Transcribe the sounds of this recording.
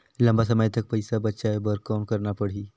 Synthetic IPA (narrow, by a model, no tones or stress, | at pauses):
ləmbas̬əmajt̪ək̚pəjsabətːʃajbəɾkːawnkəɾɳapəɽ̤i